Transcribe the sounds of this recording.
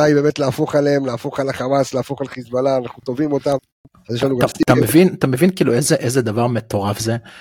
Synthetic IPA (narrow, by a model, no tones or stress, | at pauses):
ajbe̞ːmetleːfo̞χaleemlaːfo̞χalaχamasleːfo̞χalχizbalaːnaχnut̪o̞vimo̞t̪am | azjeʃlanuɡaat̪amevinat̪ame̞vinkiːluezeʔezed̪avaʁme̞t̪o̞ʁafze